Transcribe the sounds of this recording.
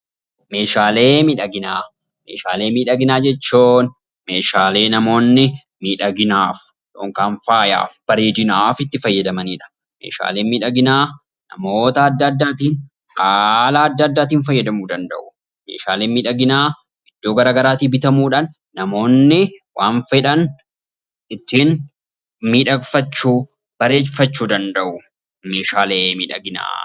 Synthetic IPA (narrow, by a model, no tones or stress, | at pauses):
me̞ːʃaːle̞ːmiᶑɐɡɪnaː | mḛːʃa̰ːle̞ːmiːᶑɐɡɪnaːd͡ʒɛt͡ʃːuːn | me̞ːʃaːle̞ːnɐmo̞ːnːɪ | miːᶑɐɡɪnaːf | ᶑo̰ːŋkaːnfaːja̰ːfb̥ɐɾeːd̪ɪnaːfɪt̪ːɪfɐjːɐd̪ɐmɐniːᶑɐ̥ | mḛːʃa̰ːle̞ːmiːᶑɐɡɪnaː | nɐ̰mo̞ːt̪ɐːd̪ːɐːd̪ːaːt̪iːn | ʔaːlaːɐd̪ːɐːd̪ːaːt̪̬iːnfɐjːɐd̪ɐmuːd̪ɐnd̪ɐ̰ʔʊ | mḛːʃa̰ːleːmiːᶑɐɡɪnaː | ɪd̪̥ːoːɡɐɾaːɡɐɾaːt̪iːbɪt̪ɐmuːᶑaːnː | ɐmo̞ːnːɪwaːnfɛᶑɐn | ɪt̪ːiːn | miːᶑɐfɐt͡ʃːuː | b̥ɐɾe̞ːfɐt͡ʃːuːd̪ɐnd̪ɐʔʊ | me̞ːʃaːleːmiːᶑɐ̰ɡɪna̰ː